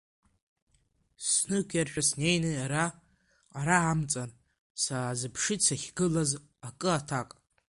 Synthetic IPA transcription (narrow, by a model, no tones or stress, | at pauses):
snɨkʷʰjarʃᶣasnejnɨaɾaː | ɾaamt͡sʼan | saazɨpʰʂɨt͡sʰaχʲɡɨlaz | akʼɨatʰakʼ